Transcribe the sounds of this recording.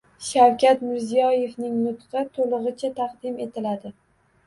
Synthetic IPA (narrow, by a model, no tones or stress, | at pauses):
ʃawkʲʰat̪mɪɾzijɒje̞vnɪŋnʊt̪qʰɨt̪ʰolˠɨʁɨt͡ʃʰat̪ʰɑqd̪ɪme̞t̪ʰɪlad̪ɪ